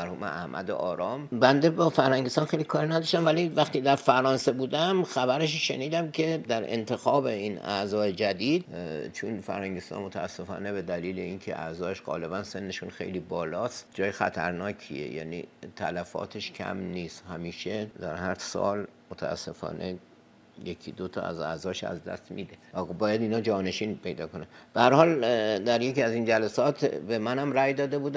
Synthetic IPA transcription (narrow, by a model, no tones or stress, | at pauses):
æɾhuːmḛʔæhmʔæ̰d̪ḛʔɒːɾɒːmbænd̪e̞bɒːfæɾhæŋɟest̪ɒːnxejlikʰɒːɾinæd̪ɒʃt̪æmvælivæxt̪id̪æɾfæɾɒːnsebuːd̪æmxæbæɾeʃ̬ʃe̞niːd̪æmcʰe̞d̪æɾḛnt̪ʰexɒːbe̞iːnæ̰zɒːjed͡ʒæd̪iːd̪t͡ʃʰunfæ̰ɾhæŋɡɟest̪ɒ̰nmot̪ʰæːsːe̞fɒ̰ːne̞be̞d̪æliːleiːnkʰeʔæ̰zɒːeʃɢɒ̰ːle̞bænse̞nːe̞ʃunxe̞̰jliːbɒːlɒːst̪d͡ʒɒːjexæ̰t̪ʰæɾnɒːcʰḭḛjæ̰ːnḭt̪ʰælæfɒ̰ːt̪ʰeʃcʰæ̰mniːst̪hæmiːʃed̪æɾhæɾsɒ̰ːlmot̪ʰæ̰æ̰sːe̞fɒ̰ːnʔe̞ | jekʰid̪ot̪ʰɒ̰ːæ̰zæ̰zɒːʃæ̰zd̪æ̰st̪miːd̪eæbɒːjæd̪iːnɒːd͡ʒɒːne̞ʃiːnpʰe̞jd̪ɒːkonænb̥ehæɾhɒːld̪æɾje̞ciːæzind͡ʒælæsɒːt̪ʰbe̞mænhæmræjd̪ɒːd̪ebuːd̪æ